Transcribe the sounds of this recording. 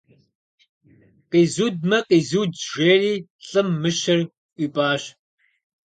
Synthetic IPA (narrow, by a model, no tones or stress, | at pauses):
qiːzuːd̚mɐqiːzuːdʐeːriːɬʼɨmːɨʃɐr | iːpʼaːɕ